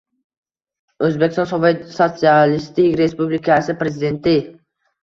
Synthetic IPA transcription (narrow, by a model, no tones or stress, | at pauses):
ɵzbekʲɪst̪ɔnsovsot̪sialist̪ɪkʲɾespublikʰasɪpɾezɪd̪e̞nt̪ɪ